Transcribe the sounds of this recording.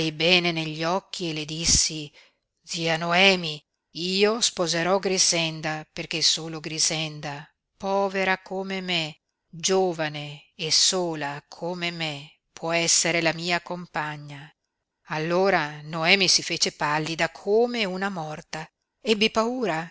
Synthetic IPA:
jbɛːneneʎːɔk̟ːieled̪isːi | d̪ziːanoɛːmi | iːospozeɾɔɡɾizɛnd̪aperk̟esoːloɡɾizɛnd̪a | pɔːveɾakomeme | d͡ʒoːvaneːsoːlakʰomeme | pwɔɛsːeɾelamiːakompaɲːa | alːoːɾanoɛːmisifeːt͡ʃepalːid̪akʰoːmeunamɔrt̪a | ebːipauːɾa

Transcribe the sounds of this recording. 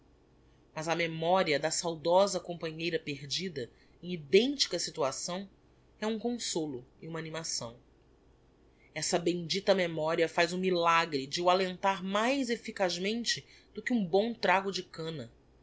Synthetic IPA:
mɐzɐmemɔɾiɐd̪ɐsawd̪ɔzɐkõpɐ̃ɲejɾɐpeɾd͡ʒid̪ɐ | ẽj̃id̪ẽnt͡ʃi̥kɐsit̪uasɐ̃w̃ | ɛũkõsolʊɪũmɐanimasɐ̃w̃ | ɛsɐbẽj̃d͡ʒit̪ɐmemɔɾiɐfajzũmilaɡɾɪd͡ʒɪwalẽnt̪aɾmajzefikaʒmẽnt͡ʃɪ | d̪̥ʊkɪũbõw̃t̪ɾaɡʊd͡ʒɪkɐ̃nɐ

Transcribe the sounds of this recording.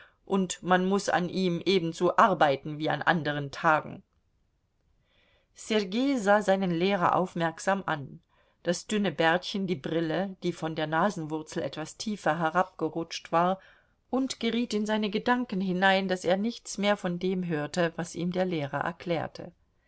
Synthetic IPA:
ʔʊntmanmʊsa̰nʔiːmʔeːbn̩zoːʔaɐbaɪtn̩viːa̰nʔa̰ndəʁ̞əntʰaːɡŋ̩ | sɛʁɡeːzaːzaɪnənleːʁɐ̰ʔa̰ʊfmɛɐkz̥aːmʔa̰n | d̥asd̥ʏnəbɛɐtçəndiːbʁɪləd̥iːfɔndeːɐnaːzn̩vʊɐt͡sl̩ʔɛ̰tv̥astʰiːfɐɦɛʁap̚ɡ̥əʁʊt͡ʃtv̥aːɐ | ʔʊntɡ̥əʁiːtɪnzaɪnəɡədaŋkn̩ɦɪnaɪnd̥aseːɐnɪçt͡smeːɐfɔndeːmɦøːɐtəvasʔiːmdeːɐleːʁɐ̰ʔɛ̰ɐkʰl̥ɛːɐtʰə̰

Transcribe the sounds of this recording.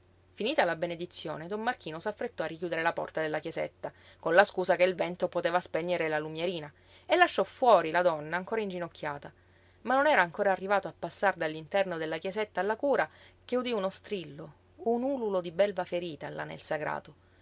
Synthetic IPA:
finiːt̪alabened̪it̪sːjo̰ːned̪omːark̟iːnosafːɾet̪ːɔarːik̬juːd̪eɾelapɔ̰rt̪ad̪elːakjezḛt̪ːakonlaskuːsakelvɛnt̪opot̪eːvaspɛɲːeɾelalumjeɾiːna | elːaʃːɔfwɔːɾilad̪ɔnːaːŋkoːɾaind͡ʒinokʰʲːjaːt̪a | manːonɛːɾaːŋkoːɾaːrːivaːt̪oapːasːard̪alːint̪ɛrnod̪elːakjezet̪ːaːlːakuːɾakeud̪iunost̪ɾilːo | unuːlulod̪ibɛlvafeɾiːt̪ala̰nḛlsaɡɾa̰ːt̪o

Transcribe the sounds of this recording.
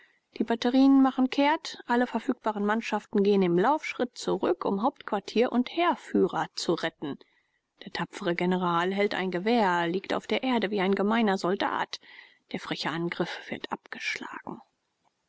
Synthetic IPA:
d̥iːbatəʁiːnənmaχn̩kʰeːɐtʔaləfɛɐfyːk̚b̥aːʁənmanʃaftn̩ɡeːənɪmlaʊfʃʁ̥ɪt̚t͡suʁʏkʰʊ̰mɦaʊp̚tkv̥aɐtʰiːɐʔʊntheːɐfyːʁɐt͡suʁɛtn̩ | d̥eːɐtʰapp͡fəʁəɡenəʁaːlɦɛltʔa̰ɪnɡəveːɐliːkta̰ʊfd̥eːɐʔeːɐdəviːaɪnɡəmaɪnɐzɔlda̰ːt | d̥eːɐfʁ̥ɛçaʔanɡʁɪfv̥ɪɐtʔa̰p̚ɡ̥ə̥ʃla̰ːɡ̥ŋ̩

